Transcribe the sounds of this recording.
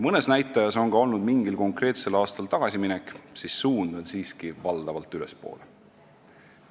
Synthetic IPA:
mɤne̞snæjt̪ːˑɑjɑso̞ŋɡ̥ɑo̞lnud̪miŋɡilko̞ŋkrɾe̞ːt̪se̞lɑːst̪ɑlt̪ɑɡ̥ɑsiminɛkːˑsisːuːnd̪̥ɑd̪siːskivɑld̪̥ɑvɑlt̪ːˑyle̞spo̞̰ːle

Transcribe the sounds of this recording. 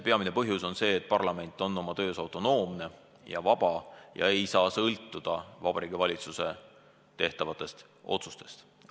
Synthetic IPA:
pe̞ɑmine̞pɤɦjuso̞nse̞ːt̪̚ːˑpɑrlɑme̞nt̪ːˑo̞nːo̞mɑt̪ø̞ːsɑwt̪ˑo̞no̞ːmne̞ | jɑ̰vɑb̥ɑjɑ̰e̞jsɑːsɤlt̪ːˑud̪̥ɑvɑb̥ɑɾiːɡ̥ivɑlʲit̪suse̞ | t̪e̞ht̪ɑvɑt̪ːˑe̞st̪ | o̞̰t̪su̥st̪e̞st̪

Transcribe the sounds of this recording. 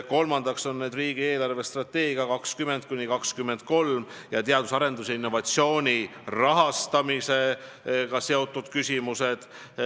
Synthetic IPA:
ko̞lmɑnd̪̥ɑkso̞nːeːd̪riːɡie̞ːlɑrve̞st̪rɑt̪ːe̞ːɡiɑkɑkskyme̞nt̪̚kunʲːikɑkskymːe̞nd̪̥̚ko̞lm | jɑt̪eɑd̪̥usɑɾe̞nd̪̥useinːo̞vɑt̪sio̞ːnʲirɑɦɑst̪ɑmise̞ | kɑse̞o̞t̪ːˑud̪̥kysʲimuse̞d̪̥

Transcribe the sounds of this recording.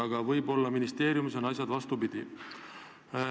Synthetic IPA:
ɑɡ̥ɑvɤjbo̞lːɑminist̪e̞ːɾjumis̬enɑs̬ʲjɑd̪vɑst̪upid̪̥i

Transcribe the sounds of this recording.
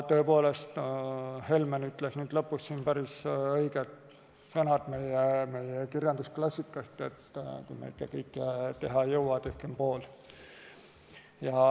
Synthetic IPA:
t̪øːpo̞ːle̞st̪he̞lmenyt̪ˑlesnyːd̥̪lɤpːˑusːiːnpæɾisɤjɡ̥ed̪ | sɑnɑd̪̥me̞jeme̞jekirjɑnd̪̥usklɑsʲːikːˑɑst̪et̪ːkṵjmḛikːˑɑkɤjkːˑt̪e̞ɦɑjɤwwɑt̪ehkempo̞ːl | jɑ

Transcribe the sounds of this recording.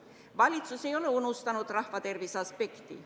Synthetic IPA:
ʋɑlʲit̪susejo̞leunust̪ɑnut̪rɑhʋɑt̪e̞rʋisɑspekt̪ḭ

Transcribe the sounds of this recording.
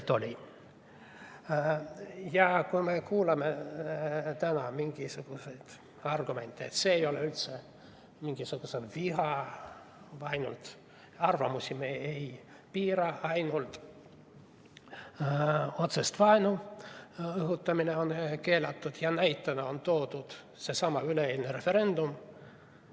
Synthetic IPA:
t̪olʲi | jɑkujmekuːlɑme | t̪ænɑmiŋɡ̥isuɡ̥use̞jd̪̥ | ɑrɡ̥ume̞nt̪ˑːeet̪seːejo̞leylt̪se | miŋɡ̥isuɡ̥uselviɦɑ | vɑjnṵlt̪ | ɑrvɑmusʲimeej | piːɾɑɑjnult̪ | o̞t̪se̞st̪vɑenu | ɤɦut̪ːˑɑmineo̞nke̞ːlɑt̪ːˑud̪̥jɑnæjt̪ːˑɑneo̞nt̪o̞ːd̪ud̪̥ | se̞sɑmɑyleeːlʲneɾe̞fe̞ɾe̞nd̪um

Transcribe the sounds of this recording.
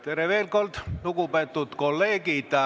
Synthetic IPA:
t̪ereʋelkolt̪nukupet̪ːut̪kolːeːkiˑt̪ɑ

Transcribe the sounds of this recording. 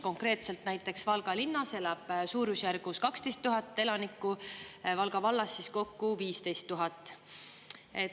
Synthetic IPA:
ko̞ŋkɾe̞ːt̪se̞lt̪næjt̪ːˑe̞ksvɑlɡ̥ɑlinːɑse̞lɑb̥suːɾusjærɡ̥uskɑkst̪e̞jst̪ːuɦɑt̪ːˑe̞lɑnikːˑuvɑlɡ̥ɑvɑlːɑsːisko̞kːuviːst̪e̞jst̪ːuɦɑt̪ːˑ | e

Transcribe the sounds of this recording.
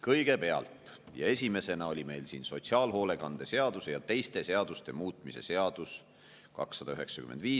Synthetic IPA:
kɤjɡ̥e̞pe̞ɑ̰lt̪ˑ | jɑ̰e̞sʲime̞se̞nɑo̞lʲime̞jlsḭːnso̞t̪siɑːlɦo̞ːle̞kɑnd̪̥e̞se̞ɑd̪̥use̞jɑt̪e̞jst̪e̞se̞ɑd̪̥ust̪e̞̰muːt̪ˑmise̞̰se̞ɑd̪̥us | kɑ̰ksːɑd̪ɑyɦe̞ksɑkymend̪viː

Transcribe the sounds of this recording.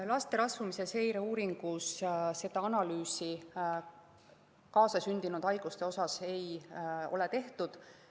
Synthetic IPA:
lɑst̪e̞ɾɑsvumise̞se̞jɾeuːɾiŋɡ̥usse̞d̪̥ɑɑnɑlyːsi | kɑːsɑsynd̪̥inud̪ɑjɡ̥ust̪e̞o̞sɑse̞jo̞̰let̪e̞ht̪ud̪̥

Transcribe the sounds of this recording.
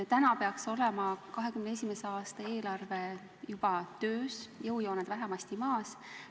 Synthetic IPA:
t̪ænɑpeɑkso̞lemɑkɑɦe̞kymneesʲimeseɑːst̪ɑe̞ːlɑrve̞ | jub̥ɑt̪ø̞ːsjɤwjo̞ːned̪væɦæmɑsʲt̪imɑːs

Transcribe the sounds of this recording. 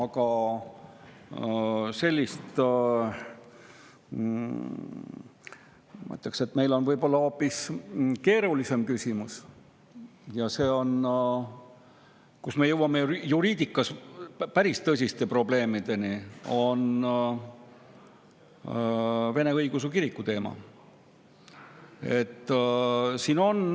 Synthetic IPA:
ɑɡ̥ɑ | se̞lʲːist̪ | mɑ̰t̪ːˑekse̞t̪me̞jlo̞nvɤjb̥o̞lːɑo̞ːpːˑiske̞ːɾulise̞mkysʲimus | jɑse̞ːo̞n | kusme̞jɤwɑmejuɾiːd̪̥ikːˑɑspæɾist̪ɤsʲist̪e̞pro̞ble̞ːmid̪̥e̞nio̞n | ve̞ne̞ɤjɡ̥us̬ukiɾikːˑut̪e̞ːmɑ̰ | e̞̰t̪ː | siːno̞n

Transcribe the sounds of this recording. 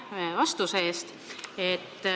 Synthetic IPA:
vɑst̪useeːst̪ | et̪ː

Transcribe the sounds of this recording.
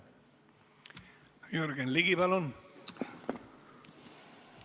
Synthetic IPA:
joɾɡenliɣiβalon

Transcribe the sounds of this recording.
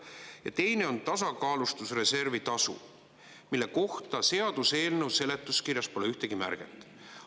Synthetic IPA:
jɑ̰t̪e̞jne̞o̞nt̪ɑs̬ɑkɑːlust̪usre̞se̞rvit̪ɑsṵ | milːe̞ko̞ht̪ɑse̞ɑd̪̥use̞ːlnewse̞le̞t̪ːˑuskirjɑspo̞leyht̪eɡ̥imæ̰rɡ̥ḛt̪ːˑ

